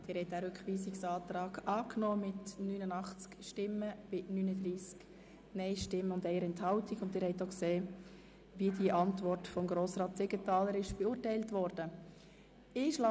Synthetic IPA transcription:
d̥ɪːɾhɛɪt̚æːɾʏkχʋiːsɪksɑːtɾɑːɡ̥ɑːknoːmɪtnyːnənɑχt͡skʃtɪmːəb̥ɪnyːnədɾiːsk | nɛɪʃtɪmːəʊndɛɪəɾɛnthɑwtiɡʊndɪːɾhɛɪtokseː | ʋiədiəʔɑntvɔrtfɔmɡɾoːsɾɑːt̚d̥ɪɡətɑːləɾɪʃb̥ɛuːɾtɛɪltʋɔɾd̥ə | ɪʃlɑ

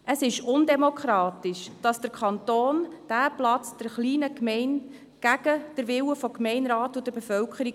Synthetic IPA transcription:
əsɪʃʊndemokʰɾɑːtɪʃd̥ɑsd̥əɾkʰɑnt̪oːnd̥æplɑt͡sd̥əɾχliːnəkmɛɪn | ɡ̥æɡ̥əd̥əɾʋɪwəfɔkmɛɪnɾɑːtʊd̥əɾbefœwkχəɾi

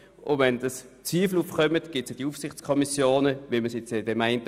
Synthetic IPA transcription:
ʔʊʋɛndɑs | t͡sʋiːfl̩ufχœmətɡ̥ɪtsjod̥iufsɪχt͡skʰɔmisjoːnəʋiməsjɛt͡sd̥ɛmaɪnt

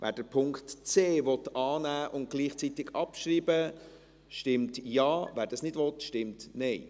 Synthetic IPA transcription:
ʋʔæ̰ːɾd̥əpʰʊŋktt͡seːʋɔt̪ɑːnæːʔʊnt̚ɡ̥liːχt͡sitɪɡɑpʃɾiːbə | ʃtɪmtjɑːvæːɾdɑsnɪdʋɔtʃtɪmtnɛɪ

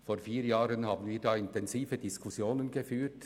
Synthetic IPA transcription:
foːɾfiːɾjɑːɾənhɑːbən̩viːdɑːɪnt̪ʰɛnsiːfəd̪ɪskʰʊsjoːnənɡəfyːt

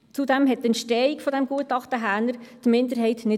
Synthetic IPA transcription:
t͡sudɛmɦɛt̚tɛnt̪ʃtɛikfɔd̪ɛmɡ̥uətɑχtəɦæːnəɾd̥mɪnd̪əɾɦɛɪtnɪ

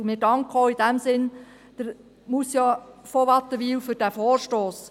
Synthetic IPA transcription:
mɪdɑŋkχoidæmsɪn | d̥əɾ | musjɑfoʋɑt̪ːəʋiːwfʏɾd̥æfoːrʃtoːs

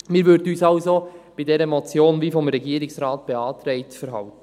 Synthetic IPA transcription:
miːɾʋʏɾdənyːsɑʊsob̥idɛɾəmɔt͡sjoːnviːfɔmɾɛɡiːəɾɪksɾɑːtb̥ɛɑːtɾɛɪtfəɾɦɑltə

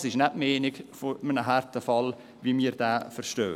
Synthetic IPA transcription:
sɪʃnɛbmeːnɪɡfomənəɦɛɾtəfɑl | ʋiːmiːɾd̥æːfəɾʃtøː

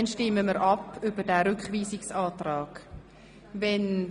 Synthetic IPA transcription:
nʃtɪmːəməɾʔɑpʏb̥ədæːɾʏkχʋiːsɪksɑːtrɑːɡ̥ | vɛn

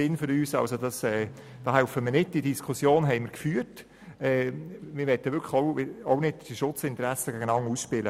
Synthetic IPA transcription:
ɪnfʏɾyːsɑ̰wsod̥ɑsɛː | d̥ɑːɦæʊfəmɪɾnɪd̚d̥idiskʰusjoːnɦɛɪmɪɾkfyːəɾt | ɛːmɪɾʋɛt̪ːəʋʏɾkʰəχɔʊɪɔʊnɪdd̥iʃʊt͡sɪnt̪əɾæsəɡæɡənɑŋusʃpɪlə

